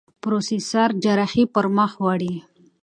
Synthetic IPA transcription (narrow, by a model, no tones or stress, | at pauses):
pɾosisaɾd͡ʒaɾaxipəɾməxwɑɽi